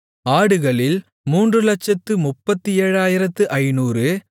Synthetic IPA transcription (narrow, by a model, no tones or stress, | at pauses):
aːɽɯɣɐɭɪl | muːndrɯlɐt͡ʃːɐt̪ːɯmʊpːɐt̪ːɯeːɻaːjɪɾɐt̪ːɯʔɐɪnuːrɯ